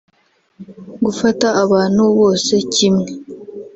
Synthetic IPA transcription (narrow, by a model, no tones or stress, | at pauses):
ɡufataːβaːn̥huβo̞ːse̞cimŋe